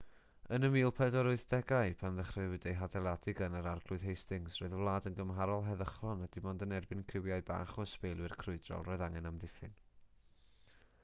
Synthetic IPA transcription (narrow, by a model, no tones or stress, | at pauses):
ənəmiːlˠpʰɛdɔɾʊɨθd̥ɛɡaɨpʰanðəχrɨwɪdejɦadɛlˠadɪɡənəɾarɡlʊɨð̥ɦejstɪŋsrɔːɨðəvlˠaːdənɡəmɦaɾɔlˠɦɛðəχlˠɔnəd̥ɪmɔndənɛrbɪnkʰrɪwjaɨba̰ːχɔspejlˠwɪrkʰrʊɨdrɔ̰lˠrɔɨðaŋɛnamðɪfɨn